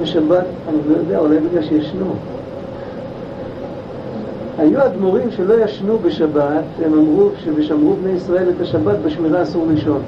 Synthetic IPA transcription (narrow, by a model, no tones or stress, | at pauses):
beʃabat̪ | anilo̞jod̪eaulajbeɡlalʃjaʃnu | hajuad̪moʁimʃe̞lo̞jaʃnube̞ʃabat̪emamʁuʃeveʃamʁubne̞jisʁae̞let̪aʃabat̪beʃmiʁaːsuʁliʃo̞n